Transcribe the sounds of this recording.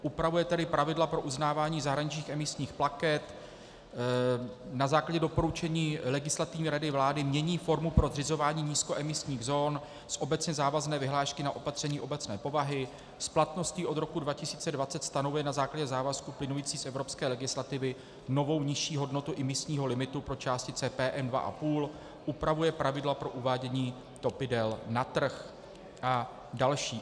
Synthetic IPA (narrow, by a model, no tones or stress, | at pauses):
ʔupɾavujɛt̪ɛdɪpɾʔavɪdlapɾo̞ʔuznaːvaːɲiːzaɦɾaɲɪt͡ʃɲiːxʔɛmɪsɲiːxplakɛt̪ | nazaːklaɟɛdo̞po̞ɾut͡ʃɛɲiːlɛɡɪslat̪ɪvɲiːɾadɪvlaːdɪmɲɛɲiːfo̞ɾmupɾo̞zrɪzo̞vaːɲiːɲiːsko̞ʔɛmɪsɲiːɣzo̞ːn | sʔo̞bɛt͡sɲɛzaːvaznɛːvɪɦlaːʃkɪnaʔo̞pat̪r̝̥ɛɲiːʔo̞bɛt͡snɛ̰ːpo̞vaɦɪ | splat̪no̞sciːʔo̞d̪ɾo̞kudvacɪsiːt͡sɛdvat͡sɛt̪st̪anovujɛnazaːklaɟɛzaːvaskuplɪnujiːt͡siːsʔɛvɾo̞pskɛːlɛɡɪslat̪ɪvɪ | no̞vo̞wɲɪʃiːɦo̞dno̞t̪uʔɪmɪsɲiːɦo̞lɪmɪt̪upɾo̞t͡ʃaːscɪt͡sɛːpɛːʔɛndva̰ʔa̰puːl | ʔupɾavujɛpɾavɪdlapɾo̞ʔuvaːɟɛɲiː | t̪o̞pɪdɛlnat̪r̩x | ʔa | dalʃiː